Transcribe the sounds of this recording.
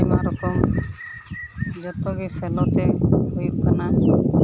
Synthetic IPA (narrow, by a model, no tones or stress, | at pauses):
imaɾɔkɔm | d͡ʒɔt̪ɔɡisɛlɔt̪ɛhujukana